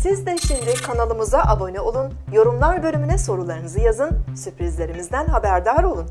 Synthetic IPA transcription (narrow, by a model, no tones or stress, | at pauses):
sizd̪ɛʃimd̪ikʰanalˠɯmɯzaʔabo̞nɛo̞lˠun | jo̞ɾumlˠaɾbø̞lʲymynɛso̞ɾulˠaɾɯnɯzɯjazɯnsypɾizlʲe̞ɾimizd̪ænɦabæɾd̪aɾo̞lˠun